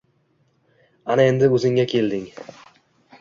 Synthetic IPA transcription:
anae̞nd̪ɪɵzɪŋʲakʲʰe̞ld̪ɪŋ

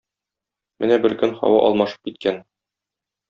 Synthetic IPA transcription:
mɘ̰næbɘɾkɵnχɒ̰wɑʔɒ̰lˠmɑʃɤ̥p̚kit̪̚kæn

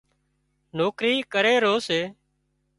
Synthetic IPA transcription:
noːkɾiːkəɾeːɾoːseː

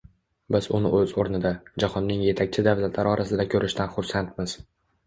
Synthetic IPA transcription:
bɪzʊnɪʔɵzoɾnɪd̪ad͡ʒahɒnːɪŋje̞t̪ʰak̚ʲt͡ʃʰɪd̪avzat̪ʰlaɾɪɒɾʔasɪd̪akʲʰɵɾɪʃt̪ʰanχʊɾsant̪mɪz̥

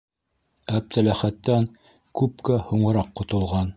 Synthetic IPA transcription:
æp̚t̪ælæχæt̪ːæŋ | kʉp̚kæhuɴɤ̆ɾɑqːŏt̪ŏlˠʁɑn

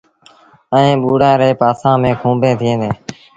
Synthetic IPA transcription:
əẽːɓuːɽãːɾeːpaːsãːmẽːkʰũːmbʱẽːt̪ʰɪẽːd̪eː

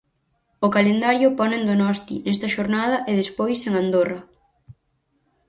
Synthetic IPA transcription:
ʊkalend̪aɾjʊpɔnẽnd̪onɔst̪ḭnɛst̪ɐʃoɾnaðɐʔeð̞espojseŋand̪orɐ

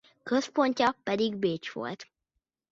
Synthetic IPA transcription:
køspo̞ɲcɒpɛd̪iɡbeːt͡ʃʋo̞̰lt̪

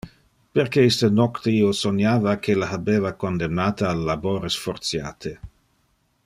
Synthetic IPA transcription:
peɾkeist̪ənokt̪eiːosonjaːvakʰelahabeːvakond̪emnaːt̪aːlːaboːɾesfoɾt̪sja̰ːt̪ʰe

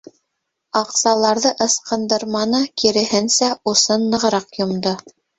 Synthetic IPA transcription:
ɑqsɑlˠɑɾðɤʔɤ̆sqɤ̆nd̪ɤ̆ɾmɑnɤkiɾɘ̆hɘnsæusɤnːɤ̆ʁ̆ɾɑqjŏmd̪o

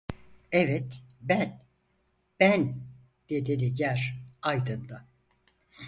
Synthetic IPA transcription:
ɛvɛt̪bæn | b̥æn | d̪̥ed̪elʲiɟæɾajd̪ɯnd̪a

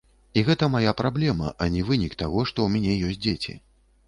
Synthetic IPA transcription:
iɣɛt̪ɐmajapɾablʲɛmɐ̰ʔɐnʲɛvɨnʲikt̪aɣɔʂt̪ɔwmʲanʲɛjɔsʲt̚ʲd͡zʲet͡sʲḭ

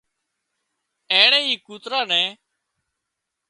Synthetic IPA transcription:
eːɳẽːɦiːkuːt̪ɾaːnɛ̃ː

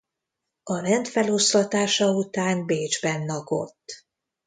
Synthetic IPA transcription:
ɒrɛnt̪fɛlo̞st̪ɒt̪aːʃɒut̪aːnbeːd͡ʒbɛnːɒɡo̞̰t̪ː

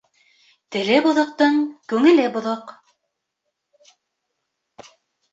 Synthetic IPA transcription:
t̪ɘ̆lɘbŏðŏq̚t̪ɤŋkʉŋɘ̆lɘbŏðoq

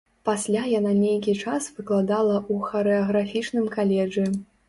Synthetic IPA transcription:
pasʲlʲajananʲejkʲit͡ʂasv̥ɨklˠad̪alˠɐʔuxɐɾɛɐɣɾafʲit͡ʂnɨmkalʲɛʐɨ

